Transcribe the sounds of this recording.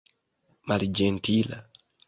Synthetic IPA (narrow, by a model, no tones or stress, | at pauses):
maɾd͡ʒɛntila̰